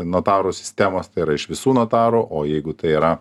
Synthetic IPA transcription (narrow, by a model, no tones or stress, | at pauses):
noːt̪ɑːɾusʲɪ̥sʲt̪ʲæmoːst̪ɐɪiːɾɐɪʃʋʲɪsuːnoːt̪ɑːɾuːʔoːjɛɪɡʊt̪ɐɪiːɾɐ